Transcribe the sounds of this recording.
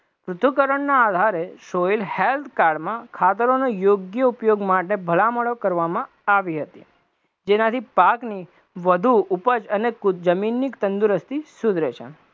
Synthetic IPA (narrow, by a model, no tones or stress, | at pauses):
pɾʊt̪ʰukəɾəɳnaːd̪ʱaɾeʃoilhelt̪ʰkaɾɖmãkʰat̪əɾonojoɡjəupjoɡmaʈebʱəlaməɭokəɾʋamã | aʋiɦət̪ḭ | d͡ʒenat̪ʰipakni | ʋəd̪ʱuupət͡ʃənekud͡ʒəminːikt̪ənd̪uɾəst̪ʰisud̪ɾet͡ʃʰḛ